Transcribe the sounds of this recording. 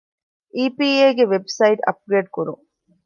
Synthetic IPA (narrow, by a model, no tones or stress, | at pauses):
ʔiːpiːeːɡeʋebsɐiʈɐ̰p̚ɡɾeːɖkuɾṵŋ